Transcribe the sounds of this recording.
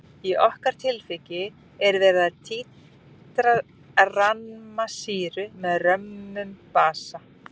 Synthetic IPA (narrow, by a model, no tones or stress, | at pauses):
iʔɔhkaɾ̥t̪ʰɪlfɪcɪ | ɛɾvɛːɾɪðaðt̪ʰiː | t̪ɾa | ranmasiːɾʏmɛðrœmʏmpaːsa